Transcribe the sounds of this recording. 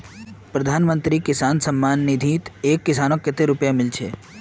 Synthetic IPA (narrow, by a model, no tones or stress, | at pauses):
pɾɐd̪ʱaːnmə̃nt̪ɾikɪsaːnsɐmːaːnːɪd̪ʱiːt̪eːkːɪsaːnokːɪt̪eɾʊpjamɪlt͡ʃʰeː